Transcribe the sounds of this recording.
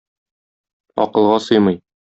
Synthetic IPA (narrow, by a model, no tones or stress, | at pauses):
ɒ̰qɤ̆lˠʁɑsɤjmɤj